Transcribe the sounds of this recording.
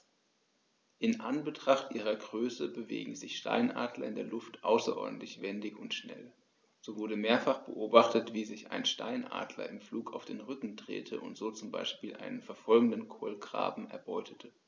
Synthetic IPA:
ʔɪnʔanbətʁ̥aχtʔiːʁ̞ɐɡʁøːsəbəvḛːɡŋ̩zɪçʃta̰ɪnʔa̰ːdlɐ̰ɪndeːɐlʊftʔaʊsɐ̰ʔɔ̰ɐdn̩tlɪçv̥ɛndɪçʊntʃnɛ̰l | z̥oːvʊɐɾəmeːɐfaχb̥əʔoːbaχtətv̥iːzɪça̰ɪnʃta̰ɪnʔa̰ːdlɐ̰ɪmfluːkʰaʊfd̥eːnʁʏkŋ̩dʁḛːtʰə̰ʔʊ̰ntz̥oːt͡sʊmba̰ɪʃpiːlʔa̰ɪnənfɛɐfɔlɡŋ̩dənkʰoːlɡʁ̥a̰ːbm̩ɛ̰ɐbɔʏtʰətʰə

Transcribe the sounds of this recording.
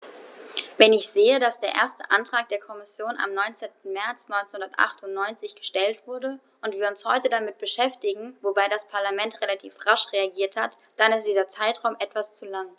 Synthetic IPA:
vɛnɪçz̥eːədasd̥eːɐʔḛːɐstəʔantʁ̥aːk̚d̥eːɐkʰɔmɪsjoːna̰mnɔʏnt͡seːntn̩mɛɐt͡snɔʏnt͡senhʊndɐtʔa̰χtʊntnɔʏnt͡sɪçɡ̥ə̥ʃtɛltv̥ʊɐdə | ʊntv̥iːɐʊnshɔʏtədamɪt̚b̥əʃɛftɪɡŋ̩vobaɪdaspʰaɐlamɛntʁelatʰiːfʁaʃʁeaɡiːɐthat | d̥anɪstd̥iːzɐt͡saɪtʁ̥aʊmʔɛtv̥ast͡sulaŋ

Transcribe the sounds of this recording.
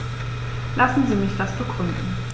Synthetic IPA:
lasn̩ziːmɪçd̥asb̥əɡʁʏndn̩

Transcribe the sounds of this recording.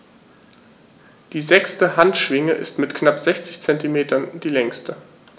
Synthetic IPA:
d̥iːzɛkstəhantʃv̥ɪŋəʔɪ̰stmɪtknapz̥ɛçt͡sɪçt͡sɛntimeːtɐnd̥iːlɛŋstə

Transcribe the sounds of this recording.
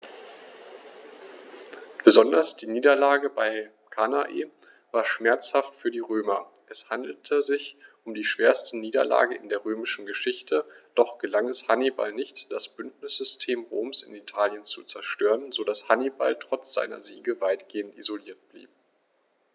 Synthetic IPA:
b̥əzɔndɐsd̥iːniːdɐlaːɡəbaɪ | kʰanaʔḛː | vaːɐʃmɛɐt͡shaftfyːɐdiːʁøːmɐ | ʔɛshandl̩tʰəzɪçʔʊmdiːʃv̥eːɐstəniːdɐ̰la̰ːɡəɪndeːɐʁøːmɪʃn̩ɡəʃɪçtʰəd̥ɔχɡ̥əlaŋɛshaniba̰lnɪçtd̥asb̥ʏndnɪsz̥ʏstʰeːmʁoːmsɪ̰nitʰaːljənt͡sut͡sɛɐʃtøːʁənzodashaniba̰ltʁ̥ɔt͡sz̥a̰ɪnɐ̰ziːɡəvaɪtɡ̥eːəntḭzoliːɐt̚b̥lḭːp̚

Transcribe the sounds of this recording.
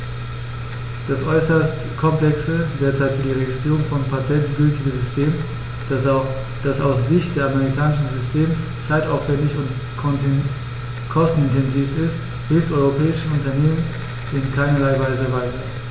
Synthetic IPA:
d̥asʔɔʏsɐst | kʰɔmplɛksədeːɐt͡saɪtfiɐdiːʁeɡɪstʁ̥iːʁʊŋfɔnpʰatʰɛntɡ̥ʏltɪɡəzʏstʰeːm | d̥asaʊsz̥ɪçt̚d̥eːɐameʁikʰaːnɪʃn̩zʏstʰeːms | t͡saɪtaʊfv̥ɛndɪçʊnt | kʰɔstn̩ɪntʰɛnziːfɪst | hɪlftʔɔʏʁopʰɛːɪʃəʊntɐneːmən | ʔɪnkʰaɪnɐlaɪvaɪzəvaɪtɐ

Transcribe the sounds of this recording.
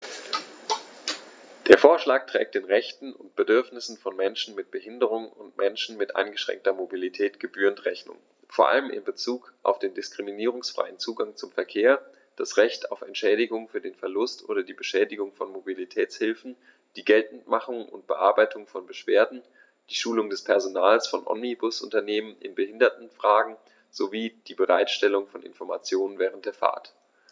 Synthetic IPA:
d̥eːɐfoːɐʃlaːk̚tʁ̥ɛ̰ːk̚td̥eːnʁɛçtn̩ʊntb̥ədʏɐfnɪsn̩fɔnmɛnʃn̩mɪt̚b̥əhɪndəʁ̞ʊŋʊntmʔɛnʃn̩mɪtʔa̰ɪnɡəʃʁ̥ɛ̰ŋk̚tɐmobilitʰɛːtɡ̥əbyːʁəntʁɛçnʊ̰ŋ | foːɐʔa̰ləmʔɪ̰mbət͡suːkʔa̰ʊfd̥eːndɪskʁ̥iminiːʁ̞ʊŋsfʁ̥a̰ɪənt͡suːɡaŋt͡sʊmfɛɐkʰeːɐ | d̥asʁɛçtʰa̰ʊfɛntʃɛːɾɪɡʊŋfyːɐdeːnfɛɐlʊstʔo̰ːɾɐdiːbəʃɛːdɪɡʊŋfɔnmobilitʰɛːt͡shɪlfn̩ | d̥iːɡɛltn̩tmaχʊŋʔʊ̰ntb̥əʔaɐbaɪtʰʊŋfɔnbəʃv̥eːɐdn̩ | d̥iːʃuːlʊŋdɛspʰɛɐzonaːlsfɔnʔɔ̰mnibʊsʔʊ̰ntɐneːmənɪ̰nbəhɪndɐtn̩fʁ̥aːɡŋ̩ | z̥oviːd̥iːbəʁa̰ɪtʃtɛlʊŋfɔnʔɪ̰nfɔɐma̰t͡sjoːnənvɛːʁ̞əntd̥eːɐfa̰ːɐt

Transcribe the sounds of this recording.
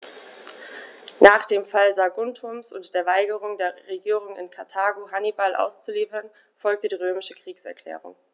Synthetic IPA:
naːχd̥eːmfalzaɡʊntʰʊmsʊ̰ntd̥eːɐvaɪɡəʁ̞ʊŋdeːɐʁeɡiːʁ̞ʊŋɪ̰nkʰaɐtʰaːɡoɦanibalʔa̰ʊst͡suliːfɐn | fɔlk̚tədiːʁøːmɪʃəkʁ̥iːksɛ̰ɐkʰl̥ɛ̰ːʁʊ̰ŋ

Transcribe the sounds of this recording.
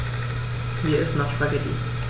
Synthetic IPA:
hiːɐɪstnɔχʃpaɡɛtḭ

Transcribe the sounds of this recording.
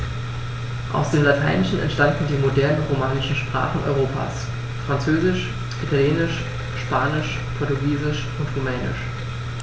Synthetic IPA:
ʔa̰ʊsd̥eːmlatʰaɪnɪʃn̩ɛ̰ntʃtandn̩diːmodɛɐnəʁomaːnɪʃn̩ʃpʁ̥a̰ːχn̩ʔɔ̰ʏʁ̞oːpʰa̰ːs | fʁ̥ant͡søːzɪʃ | ʔitʰaljeːnɪʃ | ʃpaːnɪʃ | pʰɔɐtuɡiːzɪʃʔʊntʁumɛːnɪ̰ʃ

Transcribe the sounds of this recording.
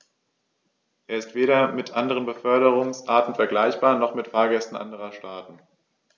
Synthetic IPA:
ʔeːɐɪstv̥eːɾɐmɪtʔandəʁ̞ənbəfœɐɾəʁʊŋsʔaːɐtn̩fɛɐɡlaɪçb̥aːɐnɔχmɪtfaːɐɡɛstn̩ʔa̰ndəʁɐʃtaːtn̩

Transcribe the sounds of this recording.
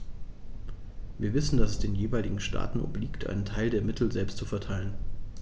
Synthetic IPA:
viːɐvɪsn̩d̥asɛsd̥eːnjeːvaɪlɪɡŋ̩ʃtʰa̰ːtn̩ʔo̰bliːktʰʔa̰ɪnəntʰaɪldeːɐmɪtʰl̩zɛlpstt͡sufɛɐtʰaɪlən

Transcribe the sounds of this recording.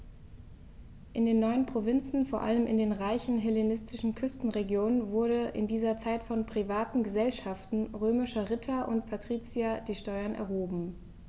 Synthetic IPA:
ʔɪndeːnːɔʏənpʁ̥ovɪnt͡sn̩foːɐʔa̰ləmɪ̰ndeːnʁaɪçn̩ɦɛlenɪstʰɪʃn̩kʰʏstn̩ʁeɡjoːnənvʊɐdəʔɪ̰ndiːzɐt͡saɪtfɔnpʁ̥ivaːtn̩ɡəzɛlʃaftn̩ʁøːmɪʃɐʁɪtʰaʔʊ̰ntpʰatʁ̥iːt͡siad̥iːʃtɔʏɐnʔɛ̰ɐɦoːbm̩

